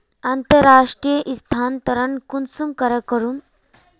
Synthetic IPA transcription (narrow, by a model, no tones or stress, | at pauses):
ant̪əɾaʂʈɾijəʔist̪ʰant̪ɐɾənkunsumkəɾəkəɾuːn